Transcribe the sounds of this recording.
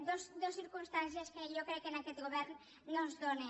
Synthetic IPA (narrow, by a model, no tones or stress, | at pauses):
d̪osd̪osiɾkumst̪ans̬ieskejokɾɛkːenakɛt̪̚ɣoβɛɾnː | õnzðone